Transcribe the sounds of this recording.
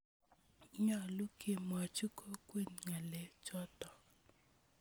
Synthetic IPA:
ɲɔ˨lu˦kʰe˨ma˨t͡ʃu˦ko˦kwe˦˨nŋa˨lɛ˨t͡ʃɔ˦tɔ˨

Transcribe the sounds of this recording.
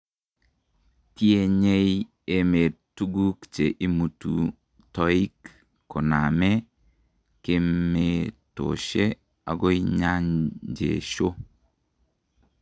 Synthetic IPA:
ti˦e˦ɲe˦j | e˦me˨tu˦ɡu˦kt͡ʃe˨ʔi˦mu˨tṵ˨ | tɔ˦i˦kː | ɔ˨na˨me˦ | ke˦mːe˨to̰˨ʃe˦ | a̰˨ɡo˦iɲa˦ɲd͡ʒḛ˨ʃo˦

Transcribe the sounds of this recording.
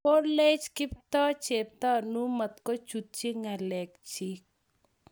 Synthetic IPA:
po˦le˦t͡ʃkɪ˦p̚t̪ɔ˦t͡ʃe˨p̚t̪ɔ˦nu˦mɐ˨t̪kɔ˦t͡ʃu˨t̪̚t͡ʃi˦ŋa˨lɛ˨kt͡ʃi˦k̚

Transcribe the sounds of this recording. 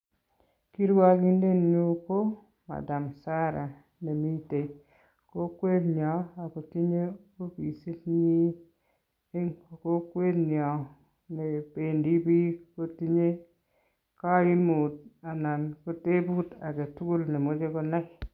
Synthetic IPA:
ki˦ɾwa˦ki˦nde˦˨nɲu˦ko˦ | ma̰˨da˨msa˦ɾa˨ | ne˨mi˦te˨ | ko˦kwe˦tnjɔ˨a˨ko˨ti˦ɲe˦o˦pi˨si˦tɲi˦ | e˦ŋ˨ko˦kwe˦tnjɔ˨ | ne˨pe˨ndi˦bi˦ko˦ti˦ɲe˦ | ka˦i˦nmu˨t̚a˨na˨nko˦te˦bu˦ta˨ke˨tu˦ɡu˦lne˨mo˦d͡ʒe˦kɔ˦na˦k

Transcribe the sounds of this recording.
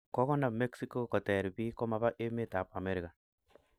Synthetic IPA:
kɔ˦kɔ˦na˨me˦ksi˦ko˦kɔ˨tɛ˨ɾbi˦kɔ˦ma˨ba˦ʔe˦me˦ta˨pa˨me˦ɾi˨ka˨

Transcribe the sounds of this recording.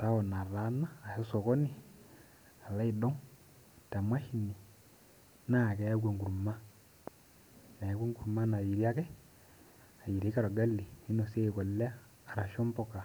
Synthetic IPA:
ta˦ɔ˨na˨ɾa˨˦naː˦˨sɛ˦so˨kɔ˦ni˦˨ | a˨la˦i˨dɔ˦ŋ | ta˨mwa˦ʃi˨ni˨ | na˦˨kɛ˨˦a˦ɡa˨ŋɡu˨ɾu˨ma˦ | na˨ja˨˦ɡo˦ŋɡu˨ɾu˨ma˦na˨ji˨ɾi˦a˦kɛ˦ | a˨ji˨ɾe˨˦ka˦ɾo˨ɡa˦li˨i˦no˨se˦˨kɔ˨lɛ˦aː˦˨ | ɾa˨ʃo˦mbɔ˨ka˨

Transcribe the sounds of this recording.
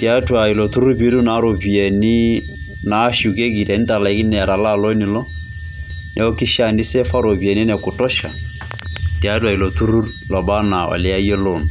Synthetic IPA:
ti˨a˦twa˨i˨lɔ˨tu˦ɾu˦pi˦ɾu˦na˨˦ɾo˨pi˨ɛ˨ni˦ | na˨˦ʃu˨ke˦ki˨tɛ˨ni˦ta˨la˨i˦ki˦nɛ˨a˨ɾa˨la˦˨lɔ˦ni˨lɔ˦ | nʔɛ˨ɔ˦ki˦ʃa˨ni˦sɛ˦fa˦ɾo˨pi˨ɛ˨ni˦nɛ˨ku˨tɔ˦ʃa̰˨ | ti˨a˦twa˨i˨lɔ˨tu˦ɾu˦ɾ | lɔ˨ba˦na˨ɔ̰˨lɛ˦a˦je˦lo˦˨n˨

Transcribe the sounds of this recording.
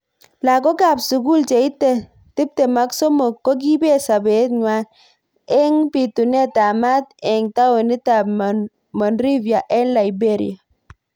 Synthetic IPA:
la˨kɔ˦ka˨bsʊ˨ɡu˦lt͡ʃe˨i˦tːɛ˦˨ | tɪ˦p̚tɛ˨ma˦ksɔ˦mɔ˨kːɔ˦ɡ̬i˦be˦˨sa˨be˨˦t̪̚ɲwa˦n | ɛ˦ŋpi˨tu˨nɛ˦ta˨ma˦tɛ˨ŋta˦we˨ni˦ta˨b | mɔ˨nɾi˦vja˨ʔɛ˦nla˨ibe˦˨ɾḭa˨

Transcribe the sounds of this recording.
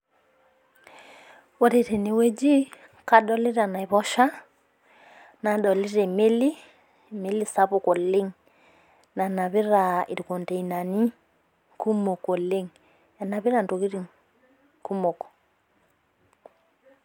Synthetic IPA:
wɔ˨ɾe˨ɾe˨ne˨we˦d͡ʒi˦ | ka˦ɗɔ˦lɪ˦ɾa˨na˨i˨βɔ˦ʃa˦ | na˨ɗɔ˨li˦ɾe˨me˦li˦˨ | me˦li˦sa˦βu˨kɔ˨lɪ˦ŋ | na˨na˨βɪ˦ɾa˨i˨ɾko˨nte˨i˨na˨ni˦ | ku˦mo˨ko˨le˦ŋ | ɛ˨na˨βɪ˦ɾa˦˨nto˨ɣi˦ɾi˨ŋ | ku˦mo˨kɔ̥˨

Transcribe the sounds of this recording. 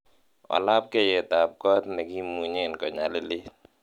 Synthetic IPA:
ɔ̰˨la˦p̚kɛ˦jɛ˨t̪a˨p̚kɔ˦t̪nɛ˨ɡi˦mu˨ɲɪ˦nkɔ˨ɲa˨lɪ˦lɪ˦

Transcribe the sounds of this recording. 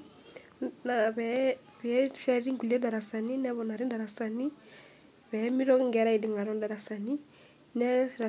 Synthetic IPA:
na˨βɛ˨ | βɛ˦fa˦ɾi˦ŋɡu˨li˦ɛ˦da˨ɾa˨sa˨ni˦nɛ˦βɔ˨na˨ɾi˦nda˨ɾa˨sa˨ni˦ | βɛ˨˦mi˦ɾɔ˦kŋɡɛ˨˦ɾa˦i˨di˨ŋɡa˨ɾɔ˨˦nda˨ɾa˨sa˨ni˦ | nɛ˦˨ɾa˨

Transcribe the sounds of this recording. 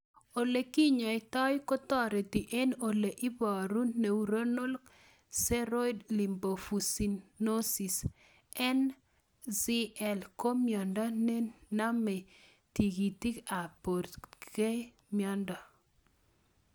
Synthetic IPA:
o˨le˨ki˦ɲɔ˨ɪ˨tɔ˦jko˦t̪ɔ˦ɾe˨ti˨ʔe˦no˨le˨ʔɪ˦bɔ˨ɾu˦ne˨u˨ɾo˦no˦lk | sɛ˦ɾo˦jdli˨mbo˨fu˨si˨nːo˦si˨s | ɛ˦n | si˦ɛ˨lko˦mjɔ˨nda˦ne˦na˦mɛ˨ | ti˨ɡi˨t̪i˦ka˨po˨ɾke˦ | mjɔ˦nda˨

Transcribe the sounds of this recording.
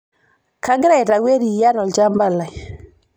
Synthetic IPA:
ka˦ŋɡɪ˦ɾa˦˨i˨ɾa˨we˦ɾi˨ja˦ɾɔ˨ld͡ʒa˦mba˦˨la˨j

